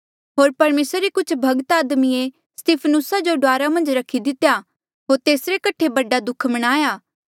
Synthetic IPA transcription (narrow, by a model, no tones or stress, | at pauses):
ɦoːɾpɐɾmeːsɾɾikʊt͡ʃʰbʱɐɡt̪aːd̪mie | st̪iːpʰnʊsad͡ʒoɖaːɾamɐ̃nd͡ʒɾɐkʰːid̪ɪt̪ːeja | ɦoːɾt̪eːsɾekɐʈʰːebɐɖad̪ʊkʰmɐɽ̃aːjaː